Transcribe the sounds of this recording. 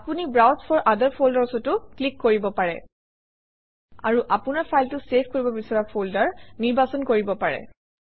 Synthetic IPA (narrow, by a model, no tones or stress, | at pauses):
apunibɹawspʰɔɹʔadəɹpʰoldasɔtʊklikːoɹibɔpaɹɛ̰ | a̰ɹuʔapʊnaɹpʰajltʊsepʰkoɹibɔbisɔɹapʰoldaɹniɹbasɔnkoɹibɔpaɹɛ̰